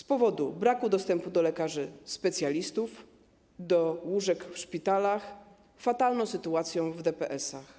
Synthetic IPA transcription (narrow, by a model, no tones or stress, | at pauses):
spɔvɔd̪ubɾakud̪ɔst̪ɛmpud̪ɔlɛkaʐɘspɛt̪sʲjalʲist̪uf | d̪ɔwuʐɛkfʂpʲit̪alax | fat̪alnɔ̃w̃sɘt̪uat̪sʲjɔ̃w̃vd̪ɛpɛʔɛsax